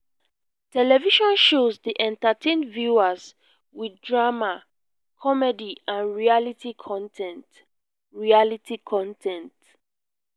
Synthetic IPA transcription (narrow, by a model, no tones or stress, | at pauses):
tʰɛlɛviʃɔ̃nʃozdiʔɛ̃ntatʰẽndvjuaz | widdɹama | kʰɔmɛdiãnɹialitʰikʰɔ̃ntʰɛ̃nt | ɹialitʰikʰɔ̃ntʰɛ̃nt